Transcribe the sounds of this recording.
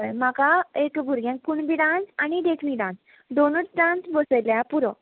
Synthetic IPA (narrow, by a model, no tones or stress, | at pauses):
jm̤akaekbʱuɾɡjãŋk̚kuɳbiɖãsanid̪ekʰmiɖãns | d̪onət͡sɖãnsbəsəjljapuɾə̃